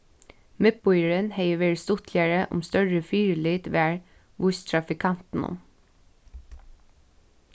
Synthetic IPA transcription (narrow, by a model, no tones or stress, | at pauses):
mɛpʊʏəɹənheɪəʋeːɹst̪ʊt̪ʰljæɹəʔʊ̰mst̪œɹəfyːɹəliːt̪ʋæːɹ | ʋʊst̪ʰɹɑfɪkʰɑnt̪n̩ʊ̰m